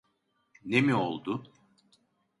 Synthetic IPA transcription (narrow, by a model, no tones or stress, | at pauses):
nemio̰lˠd̪ʊ